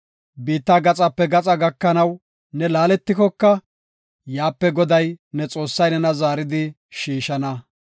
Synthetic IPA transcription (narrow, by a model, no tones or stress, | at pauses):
biːt̪ːaɡɐt͡sʼɐpːɛɡɐt͡sʼɐɡɐkːɐnɐw | nɛlaːlɛt̪ːɪkɔkːɐ | jaːpːɛɡɔd̪ɐjnɛt͡sʼo̞ːsːɐjnɛnɐzaːɾɪd̪ɪ | ʃiːʃɐnɐ